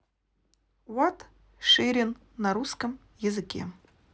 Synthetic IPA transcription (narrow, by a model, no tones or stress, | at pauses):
wat̪ | ʂeɾʲɪnː | ɐɾuskəm | jɪzɨkʲḛ